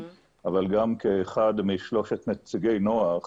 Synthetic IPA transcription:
ʔavalɡamkeːχad̪miʃlo̞ʃet̪net͡siɡejno̞aχ

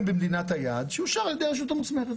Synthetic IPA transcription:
mbemd̪inat̪hajad̪ʃeiʃaʁld̪eʃ̬ut̪amusmeχet

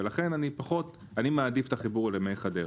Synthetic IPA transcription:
elaχe̞nanipaχo̞t | animead̪ift̪aχibuʁlemejχad̪e

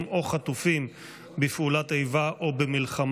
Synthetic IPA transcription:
mo̞χat̪ufim | befulat̪ejvaʔobemilχam

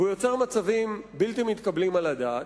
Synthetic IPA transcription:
ujo̞t͡seʁmat͡savimbilt̪imit̪kablimalad̪aːt̪

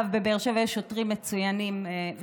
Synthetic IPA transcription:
vbebeʁʃevjeʃotʁimːet͡sujanimv

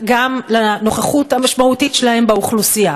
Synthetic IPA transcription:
ɡamlano̞χaχuthamaʃmautitʃelahe̞mbeuχlusia

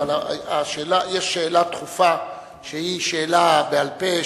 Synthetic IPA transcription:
alaaʃeːlajeʃːeːlat̪χufa | ʃehiʃeːlabealpe

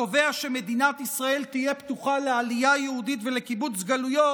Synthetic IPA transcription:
ove̞aʃeme̞d̪inat̪isʁae̞lt̪ije̞pt̪uχalealijajehud̪it̪ve̞le̞kibut͡sɡalujo

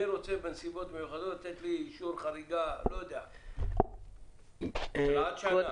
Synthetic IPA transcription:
iɾot͡sebensibo̞t̪mejuχad̪otat̪et̪liʃuɾχaɾiɡalojod̪ea | aat̪ʃaa

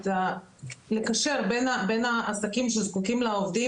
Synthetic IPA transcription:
ta | lekaʃe̞ʁbenabenaʔasakimʃelzkukimlaovd̪i

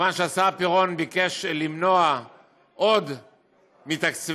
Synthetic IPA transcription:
anʃeasapiʁo̞nbike̞ʃlimno̞a | ʔo̞d̪ | mit̪akt͡s

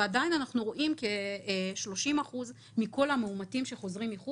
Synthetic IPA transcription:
adajinanaχnuʁo̞ʔimkeʃlo̞ʃimaχuz | miko̞lameumatimʃe̞χo̞zʁimliχu

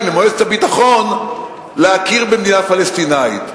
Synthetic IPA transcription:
memoeztabitaχon | leakiʁbemniafalest̪inaḭt̪

